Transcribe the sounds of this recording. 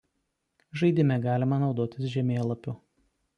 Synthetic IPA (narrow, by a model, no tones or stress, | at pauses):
ʒɐɪd̪ʲɪmʲɛɡɑːlʲɪmɐnɒʊd̪oːt̪ʲɪsʒʲɛmʲeːlˠɐpʲʊ